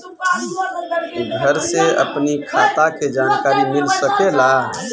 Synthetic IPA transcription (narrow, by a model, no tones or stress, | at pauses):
ɡʱəɾseə̰pnikʰat̪aked͡ʒaːnkaːɾimɪlsəkela